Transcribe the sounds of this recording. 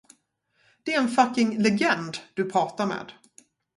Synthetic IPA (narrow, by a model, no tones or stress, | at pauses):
d̪̥ɛæɾɛnfakːɪŋlɛɡɛnd̪d̪ɵpʰɾɑːt̪aɾmḛːd̪